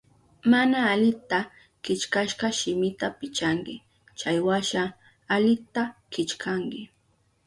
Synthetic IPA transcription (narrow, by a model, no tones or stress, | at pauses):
manaːʎɪt̪a | kɪt͡ʃkaʃɢɑʃɪmɪt̪apɪt͡ʃaŋkɪ | t͡ʃajwaʃa | alɪt̪akɪt͡ʃkʰaŋkɪ